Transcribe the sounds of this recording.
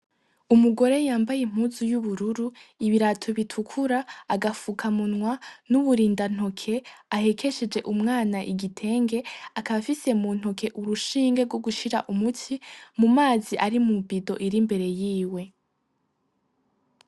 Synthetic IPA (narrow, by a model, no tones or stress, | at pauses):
umuɡo̞ɾe̞jaːmbajem̥huːzujuβuɾuɾuiβiɾatʰoβitʰukʰuɾaːɡafukʰamunŋwanuβuɾiːndan̥o̞kʰe̞ahe̞kʰe̞ʃed͡ʒe̞ʔumŋaːnaʔiɡitʰe̞ːŋɡe̞akaβafise̞mun̥ho̞kʰe̞ʔuɾuʃiːŋɡeɾɡwo̞ɡuʃiɾa̰ʔumutʰimumaːziʔaɾimubido̞ʔiɾimbe̞ɾe̞jiːwe̞